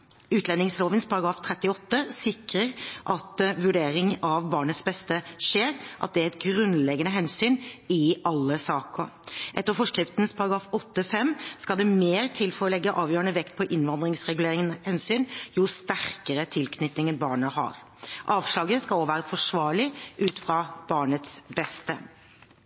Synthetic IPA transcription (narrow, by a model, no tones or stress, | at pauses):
ʉːt̪ʰlɛnːɪŋsloːʋənspʰɑɾɑɡɾɑːft̪ʰɾɛt̪ːɪɔt̪ːəsɪkɾəɾʔɑt̪ʋʉɖeːɾɪŋɑʋbɑːɳət̪sbɛst̪əʂeːɾʔɑ̰t̪̚d̪ɛɛt̪̚ɡɾʉnlɛɡənəɦɛnsyːnɪʔɑlːəsɑːkɔʔɛt̪ːəɾfɔʂkɾɪft̪n̩spʰɑɾɑɡɾɑːfɔt̪ːəfɛmːskɑld̪ɛmeːɾt̪ʰɪlfɔɾɔlɛɡːəʔɑːʋjøːɾənəʋɛkt̪̚pʰɔʔɪnʋɑnd̪ɾɪŋsɾɛɡʉleːɾɪŋənhɛnsyːnjust̪æɾkəɾət̪ʰɪlkʰnʏt̪nɪŋənbɑːɳəhɑ̰ɾ | ʔɑːʋʂlɑːɡəskɑloːʋæːɾəfɔʂʋɑːɭɪʔʉːt̪fɾɑb̥ɑːɳət̪sbɛst̪ə̰